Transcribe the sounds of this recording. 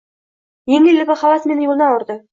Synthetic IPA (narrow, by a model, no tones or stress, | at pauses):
jeŋlelɪɡʲɪχɑlˠɑsmenɪjolˠə̆nɑwʊɾd̪ə